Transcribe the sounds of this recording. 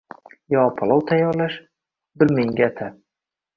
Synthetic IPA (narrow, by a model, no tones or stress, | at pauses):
jɒpʰalˠɒwt̪ʰajːɒɾlaʃ | bɪɾmeŋɡʲat̪ʰa